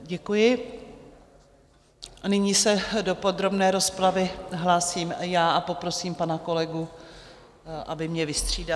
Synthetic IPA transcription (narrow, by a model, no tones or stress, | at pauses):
ɟɛkujɪ | ʔanɪɲiːsɛdo̞po̞d̪ɾo̞bnɛːɾo̞spɾavɪɦlaːsiːmjaːʔapo̞pɾo̞siːmpanako̞lɛɡu | ʔa̰bɪmɲɛvɪst̪r̝̥iːda